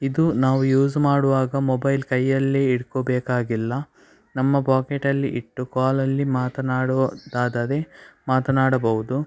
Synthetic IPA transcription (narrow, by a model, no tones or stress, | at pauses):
id̪unaːʋujuːzmaːɽuʋaːɡɐmɔbɐjlkɐjːɐlːeiɽkobɛːkaːɡilːɐ | nɐmːɐpaːkeʈɐlːiʔiʈːukaːlɐlːimaːt̪ɐnaːɽud̪aːd̪ɐd̪emaːt̪ɐnaːɽɐbɐɦud̪u